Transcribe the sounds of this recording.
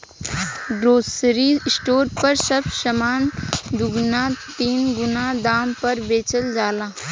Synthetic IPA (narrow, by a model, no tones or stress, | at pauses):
ɖɾoːsɾiːsʈoːɾpɐɾsɐbʃəmaːnd̪ʊɡnat̪iːnɡʊnad̪aːmpɐɾbeːt͡ʃəld͡ʒaːlaː